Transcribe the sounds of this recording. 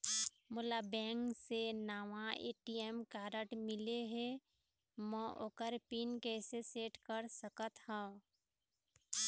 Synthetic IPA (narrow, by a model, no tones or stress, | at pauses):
mʊlabɛ̃ːŋksenaːʋãḛːʈiɛmkaːɾəʈmɪleɦe | mə̃ʔokəɾpiːnkɛːseseːʈkəɾsəkət̪hã